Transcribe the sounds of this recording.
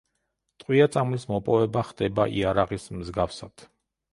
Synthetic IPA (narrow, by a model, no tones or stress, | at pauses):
t̪ʼqʼwiat̪sʼamlismɔpʼɔvɛbaχd̪ɛbaʔḭaɾaʁismzɡafsad̪̥ʰ